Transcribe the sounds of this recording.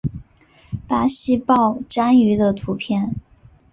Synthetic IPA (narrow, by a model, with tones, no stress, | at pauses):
pa˥ɕi˥pɑ˥˩ʊʈ͡ʂa˥ny˧˥d̪ə˧t̪ʰu˧˥pʰjɛ˥˩n